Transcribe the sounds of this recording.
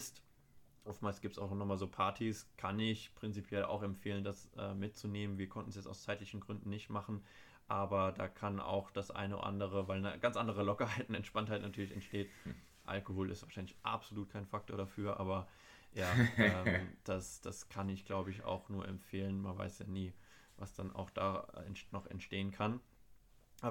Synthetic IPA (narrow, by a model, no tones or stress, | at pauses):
ɪst | ʔɔftmaːlsɡ̥iːp̚tsʔaʊxnɔnɔχmaːlzoːpʰaɐtʰiskʰanɪçpʁ̥ɪnt͡sipʰjɛla̰ʊxɛmfeːləndasʔɛ̰ːmːɪt̚t͡suneːmənviːɐkʰɔntn̩sjɛt͡sa̰ʊst͡saɪtlɪçn̩ɡʁʏndn̩nɪçtmaχn̩ | ʔaːbɐda̰ːkʰana̰ʊxd̥asʔa̰ɪnəʊ̰ʔa̰ndəʁ̞əvaɪlnəɡant͡sʔandəʁ̞əlɔkɐɦaɪtɪnɛntʃpanthaɪtnatʰyːɐlɪçɛ̰ntʃteːt | ʔa̰lkohoːlʔɪstv̥aːʃaɪnlɪçʔa̰pz̥oluːt̚kʰaɪnfak̚tʰoːɐɾafyːɐʔa̰ːbɐ | jaːɛːmd̥asd̥askʰanɪçɡ̥laʊbəɪça̰ʊxnuːɐʔɛ̰mfeːlənmanva̰ɪsjaːniː | vasd̥ana̰ʊxd̥a̰ːɛ̰nnɔχɛ̰ntʃteːənkʰan | ʔaː